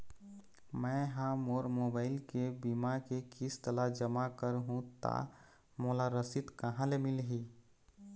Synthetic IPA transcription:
mɛ̃ɦãmoːɾmoːbaːɪlkebimakekɪst̪əlad͡ʒəmakəɾɦũt̪a̰ | moːlaɾəsit̪kəɦãlemɪlɦiː

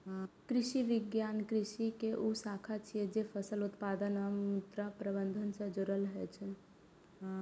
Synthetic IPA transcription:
kɾisiʋiɡjankɾisikeʔusakʰat͡ʃʰijɛd͡ʒepʰəsəlut̪pad̪ənəut̪ɾapɾəbənd̪ʱənsə̃d͡ʒoɾəlɦɛt͡ʃʰən

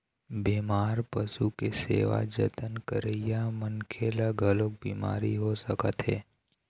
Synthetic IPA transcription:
beːmaːɾpəsukesḛːʋa̰d͡ʒə̰t̪ənkəɾəjamənkʰelaɡʱəlok̚biːma̰ːɾiɦosəkət̪ɦḛː

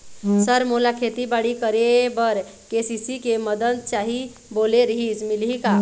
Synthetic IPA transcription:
səɾmolakʰet̪ibaɽikəɾebəɾ | kesisikeməd̪əd̪̚t͡ʃaɦi | boleɾəɦid͡ʒmilɦika

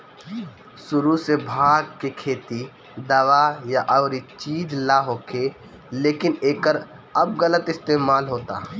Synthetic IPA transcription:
sʊɾusebʱaːɡ̚kekʰeːt̪i | d̪ɐʋajaʔɐʊɾit͡ʃiːd͡ʒlaɦoːkʰe | leːkɪneːkəɾ | ɐb̚ɣələt̪ɪst̪eːmaːlɦoːt̪a̰ː

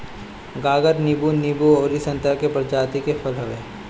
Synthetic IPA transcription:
ɡaːɡəɾnɪbunibuoːɾisə̃nt̪ɾakepɾd͡ʒaːt̪ikefɐlɦɐʋeː

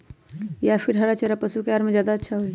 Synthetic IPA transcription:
japʰiɾɦəɾat͡ʃeɾapəsukeaɾmed͡ʒjaːd̪aətːʃʰaɦoj

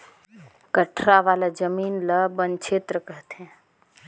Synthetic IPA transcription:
kəʈʰɾaʋaːlad͡ʒəmiːnləbənt͡ʃʰeːt̪ɾəkəɦt̪ɦɛ̃

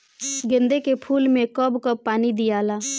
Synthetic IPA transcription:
ɡɪ̃nd̪ekepʰuːlmẽkɔbkəpːaːnid̪ijaːlaː

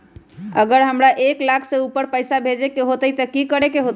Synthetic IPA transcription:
əɡəɾɦəmɾaʔeklakʰseupəɾpəɪsabʱed͡ʒekeɦot̪əjt̪əkikəɾekeɦot̪

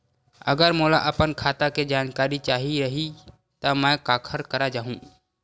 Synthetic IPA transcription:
ɐ̰ɡəɾmʊlaʔɐpənkʰaːt̪aked͡ʒaːnkaːɾit͡ʃaːɦiɾɐɦi | t̪amɛ̃ːkaːkʰəɾkɐɾad͡ʒaːɦũː

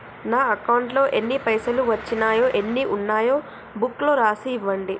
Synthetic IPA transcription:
naːɐkɐwɳʈlo̞ːʔe̞nːipɐjsɐluʋɐt͡ʃːinaːjoːʔe̞nːiʔunːaːjo̞ː | bukːlo̞ːɾaːsiːʋːɐɳɖi

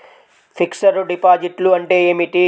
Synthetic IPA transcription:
pʰiksɐɾuɖipaːd͡ʒiʈluɐɳʈe̞ːeːmiʈi

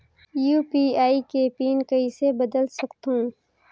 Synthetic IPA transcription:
juːpiːaːikepiːnkɐisebɐd̪əlsɐkt̪ɦũː

